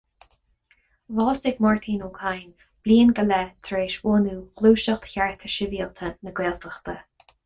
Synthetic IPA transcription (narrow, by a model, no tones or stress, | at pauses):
vɑːsɪɡmɔɹt̪ʰiːnuːkʰajn | b̥liːənɡəlɛt̪ʰɾeːʃoːnuːxluːʃəxt̪çaɹt̪ʰəʃɪviːəlt̪ʰənəɡweːlt̪ʰəxt̪ʰə